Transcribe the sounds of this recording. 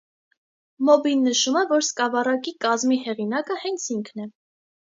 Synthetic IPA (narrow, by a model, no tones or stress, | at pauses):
mɔbinːəʃumɛvɔɾskɑvɑrɑkikɑzmihɛʁinɑkəhɛnt͡sʰiŋkʰnɛ